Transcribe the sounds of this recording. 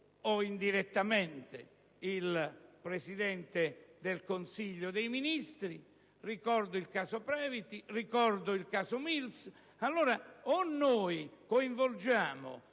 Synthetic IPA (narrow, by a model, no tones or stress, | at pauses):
ɔind̪iɾet̪ːamɛnt̪ḛ | ilpɾesid̪ɛnt̪ed̪elkonsiʎːʊd̪ejminist̪ɾi | rikɔɾd̪ʊilkaːsopɾɛːvit̪irikɔɾd̪ʊilkaːsʊmils | alːoːɾaonːoːjkoiɱvold͡ʒaːmʊ̰